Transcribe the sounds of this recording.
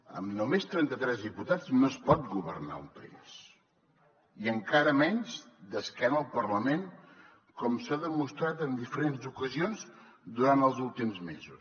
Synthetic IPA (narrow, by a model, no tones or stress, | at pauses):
ə̰mnumest̪ɾɛnt̪ət̪ɾɛzðiput̪ad͡znospɔt̪̚ɡuβərna̰ṵmpə̰ḭs | iəŋkaɾəmɛnʲzd̪əskanəlˠpərləmeŋ | kɔmsaðəmust̪ɾat̪ənd̪ifəɾenzukəzionz | d̪uɾant̪əlˠzulˠt̪imzmezus